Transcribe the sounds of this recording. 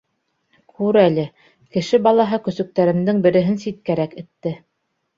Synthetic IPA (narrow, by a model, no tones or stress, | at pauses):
kʰʉɾælɘ | kɘ̆ʃɘbɑlˠɑɦɤkɵ̆sɵ̆k̚t̪æɾɘ̆md̪ɘŋbɘ̆ɾɘ̆ɦɘnsit̪̚kæɾækɘ̆t̪ːɘ